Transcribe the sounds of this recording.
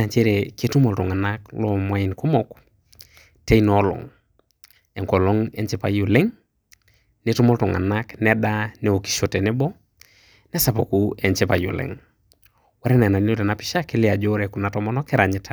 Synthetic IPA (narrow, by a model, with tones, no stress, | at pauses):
a˨ɲt͡ʃe˦ɾe˨ke˦tu˦mo˨ltɔ˨ŋa˨naklɔ˦mwa˦i˨nku˦mɔ˨k | te˦inɔlɔ̰˨ŋ | ɛ˨ŋkɔ˨lɔ˦ŋɛ˦ɲt͡ʃepa˨ju˨le˦ŋ | ne˦tu˦mo˦ltɔ˨ŋa̰˨na˦knɛdanɛ˨o˨ki̥˨ʃo˨te˨nɛ˦bɔ˦ | nɛ˦sa˨po˨ku˦ɛ˨ɲt͡ʃepa˨jṵ˨lḛ˨ŋ | wa˦ɾɛ˦na˨na˨n˦o˦dɛ˨na˨pi˦ʃa˦ki˦lɪ˦a˨d͡ʒo˦ɾeku˨na˨tɔ˦mɔnɔ˦kɛ˦ɾa˨ɲi˦tʰa˨